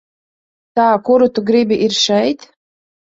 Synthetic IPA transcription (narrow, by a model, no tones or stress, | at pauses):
t̪aːkuɾut̪uɡɾibʲiʔiɾʃɛjt̪